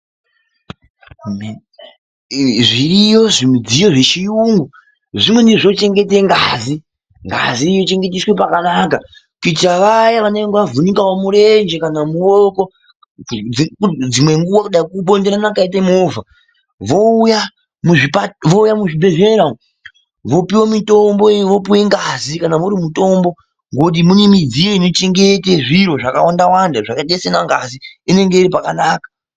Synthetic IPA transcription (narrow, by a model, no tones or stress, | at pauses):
ʐiɾijo̞ʐimud͡zijo̞ʐe̞t͡ʃijuŋɡu | ʐimwe̞niʐo̞t͡ʃe̞ŋɡe̞te̞ŋɡazi | ŋɡa̰zijot͡ʃe̞ŋɡe̞t̬iswe̞pakanaka | kit͡ʃaʋajaʋaneŋɡʋavunikawomuɾe̞nd͡ʒe̞kanamuwoko̞ | ud͡zimwe̞ŋɡuwakuɗaikuɓo̞ndeɾanakait̬amoːva | ʋouja | muʐipaʋo̞ujamuʐibʱe̞ɮeɾao | ʋo̞piwomito̞mbo̞iʋo̞piwe̞ŋɡazikanamuɾimuto̞mbo̞ | ŋɡot̬imunimid͡zijeinot͡ʃeŋɡeteʐiɾo̞ʐaka̰wandawandaʐakaɗesenaŋɡaziine̞ŋɡe̞iɾipakanaːkḁ